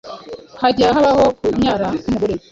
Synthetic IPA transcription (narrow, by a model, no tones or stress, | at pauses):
haɟaɦaβahokuɲaɾaumuɡuɾe